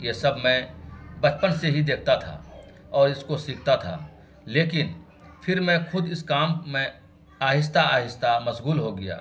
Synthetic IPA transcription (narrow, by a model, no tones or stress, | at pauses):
jesɐbʱmɛ̃bɐt͡ʃpənseɦid̪eːk̚ʰt̪at̪ʰa̰ | ɔːɾɪskosiːkʰt̪at̪ʰa̰ː | leːkɪn | fʰɪɾmɛ̃xʊd̪ɪskaːmmẽ | aːɦɪs̬t̪aaːɦɪst̪amɐsɣuːlɦoɡɪja̰ː